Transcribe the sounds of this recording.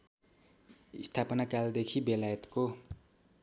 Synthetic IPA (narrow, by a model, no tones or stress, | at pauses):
ḭst̪ʰapʌnakald̪ekʰibelajʌt̪ko